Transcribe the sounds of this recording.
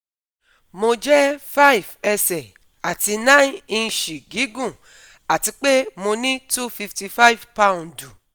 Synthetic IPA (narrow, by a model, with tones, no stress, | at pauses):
mo˧d͡ʒɛ˦fa˦i˨vɛ˧sɛ˨ | a˨ti˧nã˦ĩ˧ʃi˨ɡi˨˦ɡũ˦˨ | a˨ti˧k͡pe˦mo˧nĩ˦tu˦fi˧fti˧fa˦i˦˨vpa˦ũ˨ndu˨